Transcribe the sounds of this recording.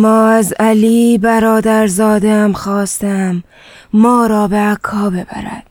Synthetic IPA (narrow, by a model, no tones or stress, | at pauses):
mɒːæzæliːbæɾɒːd̪æɾzɒːd̪eæmxɒːst̪æmː | ɒːɾɒːbeækʰːɒːbebæ̰ɾæ̰d̪̥